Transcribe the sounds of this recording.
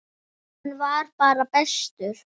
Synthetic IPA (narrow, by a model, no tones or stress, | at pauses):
nvaɾpaːɾapɛst̪ʏɾ̥